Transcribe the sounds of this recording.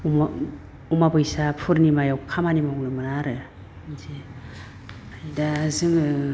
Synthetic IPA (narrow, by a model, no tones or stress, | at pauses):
m | umapɯjsapʰuɾnimajawkʰamanimawnɯmɯnaɾɯ | zi | ajdazɯŋɯ